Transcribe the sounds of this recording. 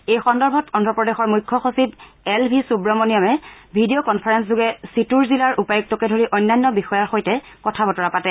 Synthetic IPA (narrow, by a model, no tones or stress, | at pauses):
ejxɔndɔɹbʱɔtɔndʱɔpɹɔdexɔɹmujkʰːɔxosib | ɛlbʱisubɹɔmɔnijamɛbʱidijokɔnpʰaɹɛns̬zuɡɛsituɹzilaɹʔupajuk̚tɔkɛdʱoɹiʔɔjnːajnːɔbixɔjaɹxojtɛ | kɔtʰabɔtɔɹapatɛ